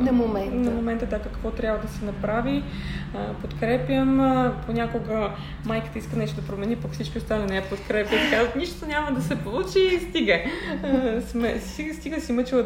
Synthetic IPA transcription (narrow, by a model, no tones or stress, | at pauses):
nɐmomɛnnɐmomɛnt̪əd̪akəkvɔt̪ɾʲjabvɐd̪ɐsɛnɐpɾavi | əpot̪kɾɛpjəmpʰonʲakoɡə | majkə̥t̪əiskənɛʃt̪od̪ɐpɾomɛnipɐkfsit͡ʃkʲiost̪alinɛɛpot̪kɾɛpʲjət̪ikazvət̪niʃt̪oɲʲaməd̪ɐsɛpolˠut͡ʃist̪iɡə | smɛsist̪iɡəsimət͡ʃivə